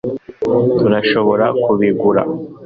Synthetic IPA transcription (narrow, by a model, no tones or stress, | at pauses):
tuɾaʃo̞βo̞ɾakuβiɡuɾa̰